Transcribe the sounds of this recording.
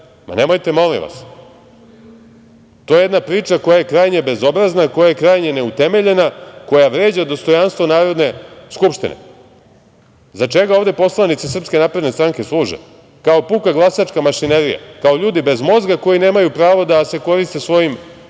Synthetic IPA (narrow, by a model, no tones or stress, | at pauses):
ma̰ne̞mo̞jt̪e̞mo̞lḭmʋa̰s | t̪ojeed̪napɾiːt͡ʂako̞jajekɾaːjɲebe̞zo̞bɾaznako̞jajekɾaːjɲe̞ne̞ut̪eme̞ʎe̞nako̞jaʋɾeːd͡ʑad̪o̞st̪o̞janst̪ʋo̞naːɾo̞d̪ne̞skupʃt̪ḭnḛ | zat͡ʂeɡaovd̪e̞po̞slˠanit̪sisr̩pske̞naːpɾe̞d̪nest̪ɾaŋke̞slˠuːʒḛ | kao̞pukaɡlˠasat͡ʂkamaʃineɾija̰kao̞ʎuːd̪ibe̞zmo̞zɡako̞jine̞ːmajupɾaːʋo̞d̪ase̞ko̞ɾist̪e̞sʋo̞jim